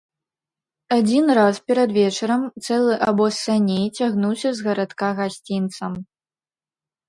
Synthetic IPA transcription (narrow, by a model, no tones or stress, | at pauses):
ad͡zʲinraspʲɛɾɐd̪vʲɛt͡ʂɐɾɐmt̪sɛlˠɨʔabɔsanʲejt͡sʲaɣnuwsʲɐzɣɐɾat̪kaɣasʲt͡sʲint̪sɐm